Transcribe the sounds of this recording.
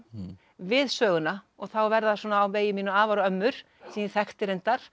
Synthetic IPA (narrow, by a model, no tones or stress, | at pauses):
vɪðsœːɣʏna | ɔɣθawvɛɾðasɔːnaːwveːjɪmiːnʏaːvaɾœmːʏɾ̥ | siːnɪθɛxt̪ɪɾent̪aɾ̥